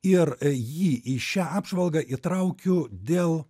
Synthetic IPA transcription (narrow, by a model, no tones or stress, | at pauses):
ɪrjiːʔiʃʲæːɑːbʒʋɐlˠɡɑʔit̪ɾɐʊkʲʊd̪ʲeːlˠ